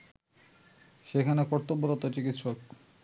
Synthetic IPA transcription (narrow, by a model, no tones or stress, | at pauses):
ʃekʰanekɔɾt̪obːoɾot̪ot͡ɕikit̪ʃok